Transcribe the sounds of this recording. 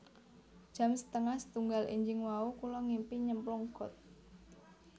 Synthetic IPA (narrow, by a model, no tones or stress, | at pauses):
d̥ʒ̥a̤msə̥t̪əŋahsə̥t̪uŋɡalʔḭɲd͡ʒɪŋwaukulɔŋimpiɲəmplɔŋɡ̥ɔt̪̚